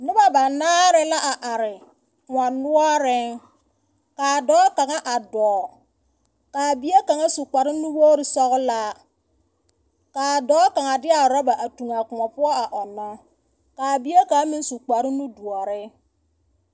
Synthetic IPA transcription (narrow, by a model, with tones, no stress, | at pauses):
nɪ˦ba˨ba˨naː˦ɾɪ˦la˦ʔa˨ʔa˨ɾɪ˨ | kʊ˨ŋa˨nʊ˦ɔ˦ɾɪ˦ | kaː˨dɔː˦ka˨ŋa˦ʔa˨dɔː˨˦ | kaː˨bi˦e˦ka˨ŋa˦su˨k͡pa˨ɾɪ˦nu˦woː˦ɾɪ˦sɔ˦ɣʊ˦la˦ | kaː˨dɔː˦ka˨ŋa˨dɪ˦a˨ɾɔ˦ba˨ʔa˨tu˨ŋa˨kʊ˨ŋa˨pʊ˦ɔ˦a˨ʔɔ˨nːɔ˦ | kaː˨bi˦e˦ka˦mi˦su˨k͡pa˨ɾɪ˦nu˦du˨ɔ˨ɾɪ˦